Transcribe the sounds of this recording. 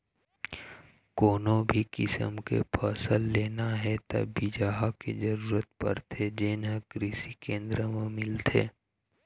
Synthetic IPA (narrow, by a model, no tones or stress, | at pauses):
koːnõbʱikɪsə̰mkḛpʰəːsəlːeːnaɦɛt̪ɐ̰bːʱid͡ʒaːɦakḛd͡ʒəɾuːɾət̪̚pɐ̰ɾt̪ʰed͡ʒeːnɦəkɾɪsikẽːnd̪ɾəmemɪlt̪ʰḛː